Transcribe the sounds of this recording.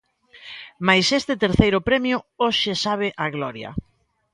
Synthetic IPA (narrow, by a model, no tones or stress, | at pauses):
majsest̪ɪt̪eɾθejɾʊpɾɛmjʊoʃɪsaβ̞ɪʔaɣlɔɾjɐ̰